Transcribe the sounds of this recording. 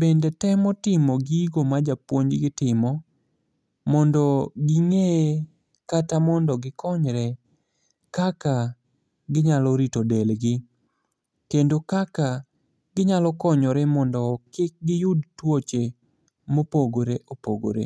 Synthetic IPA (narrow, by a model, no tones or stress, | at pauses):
bendɛtɛmɔtɪmɔɡiiɡomad͡ʒapwoɲd͡ʒɡɪtɪmɔ | mɔndɔɡɪŋe | katamɔndɔɡɪkʰɔɲɾɛ | kaka | ɡɪɲalɔɾitodelɡɪ | kendokaka | ɡɪɲalɔkɔɲɔɾɛmɔndɔkɪk̚ɡɪjʊdtwot͡ʃe | mopoɡoɾeʔopo̰ɡo̰ɾḛ